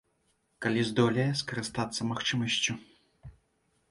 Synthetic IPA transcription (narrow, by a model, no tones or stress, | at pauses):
kalʲizd̪ɔlʲɐjɛskɐɾɨst̪at̪sːɐmaxt͡ʂɨmɐsʲt͡sʲu